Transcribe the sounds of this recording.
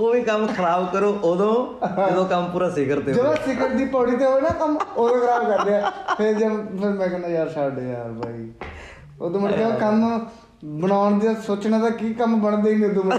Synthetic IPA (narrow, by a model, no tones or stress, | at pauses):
oːʋiːkəmkʰəɾaːbkəɾoːʔod̪õːɪd̪õːkəmpuːɾaːsɪkəɾt̪eːd͡ʒəd̪ãːsɪkəɾd̪iːpɔːɽiːt̪eːɦoːinaːkəmoːd̪õːkʰəɾaːbkəɾd̪eaːpʰɪɾd͡ʒapʰɪɾmɛ̃ːkɛnaːjaːɾsaːɖeːjaːɾbʱa̰ːḭː | oːd̪õmənkɛ̃ːkəm | bənaːɳd̪eaːsoːt͡ʃnãːd̪aːkiːkəmbəɳd̪eiŋɡed̪õːm